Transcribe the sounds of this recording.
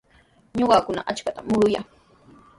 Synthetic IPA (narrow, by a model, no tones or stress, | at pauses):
ɲoɢɑkʊna̰ʔat͡ʃkat̪amʊɾʊja̰ŋ